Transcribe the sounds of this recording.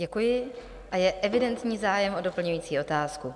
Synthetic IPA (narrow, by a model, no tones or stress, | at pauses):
ɛkujɪ | ʔajɛʔɛvɪdɛnt̪ɲiːzaːjɛmʔo̞do̞pl̩ɲujiːt͡siːʔo̞t̪aːsku